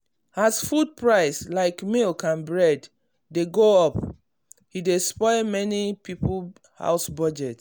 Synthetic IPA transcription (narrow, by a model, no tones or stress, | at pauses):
hasfud̚pɹaɪslaɪkmilkʰãnbɹɛdː | eɡoɔp | hidespɔɪmɛnipip | ha̰ʊsbɔd͡ʒɛt